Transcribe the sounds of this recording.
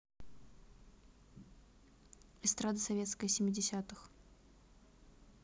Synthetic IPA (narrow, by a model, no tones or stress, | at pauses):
ɨst̪ɾad̪ɨsɐvʲe̞t̪skəjəsʲɪmʲːɪdʲɪsʲat̪ɨx